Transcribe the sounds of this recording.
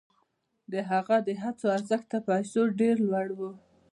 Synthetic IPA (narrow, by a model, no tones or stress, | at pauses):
d̪əɦaɣad̪əɦat͡soaɾzəxt̪apajsoɖeɾlwaɽwu